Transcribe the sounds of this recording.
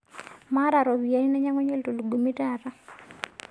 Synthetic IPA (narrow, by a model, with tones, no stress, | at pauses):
ma˦ɾa˨ɾɔ˨βi˨a˨i˦nɛ˦ɲa˦ŋɔ˦ɲɛ˦lto˨lu˨ɡu˨mi˦ta˦˨ɾa˦